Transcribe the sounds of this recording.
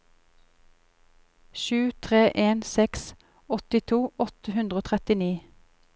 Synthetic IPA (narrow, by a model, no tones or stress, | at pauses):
ʃʉːt̪ʰʁeːʔeːnsɛks | ɔt̪ɪt̪ʰuːɔt̪əhʉnd̪ʁəoːt̪ʰʁɛt̪ɪniː